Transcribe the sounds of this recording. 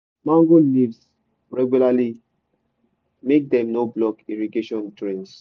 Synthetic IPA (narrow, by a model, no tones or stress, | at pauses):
mãŋɡolivs | ɹɛɡjulali | mek̚dɛ̃mnoblɔkiɹiɡeʃɔ̃ntɹɛ̃ns